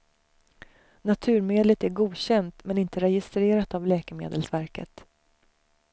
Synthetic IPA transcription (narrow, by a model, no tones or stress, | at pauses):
nat̪ʰʉ̟ːɾmeːd̪lət̪æɾɡuːɕɛnt̪mɛnɪnt̪əɾɛjɪst̪ɾeːɾat̪avlɛːkəmḛːd̪əlsvæɾkə̰t̪